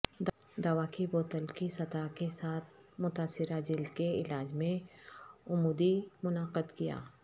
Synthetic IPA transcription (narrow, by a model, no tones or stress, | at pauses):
d̪d̪ɐʋakiboːt̪əlkisɐt̪akesaːt̪̚ʰmʊt̪aːsɪɾad͡ʒɪld̪keɪlaːd͡ʒmẽ | ʊmuːd̪imʊnaːqəd̪kija̰ː